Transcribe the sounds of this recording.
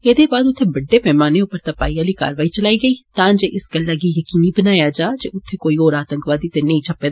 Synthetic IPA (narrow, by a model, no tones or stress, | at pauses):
eːd̪ebaːd̪ʊt̪ʰːẽbɐɖːepɛːmaːneʊpəɾt̪ɐpaːijalika̰ːɾʋaːit͡ʃɐlaːiɡəiːt̪ãːnd͡ʒeʔɪsɡɐlːaɡijɐkiːnibənaːjad͡ʒaːd͡ʒeʊt̪ʰːẽkoːioːɾaːt̪ə̃ŋkʋaːd̪it̪enɐĩt͡ʃʰɐpːed̪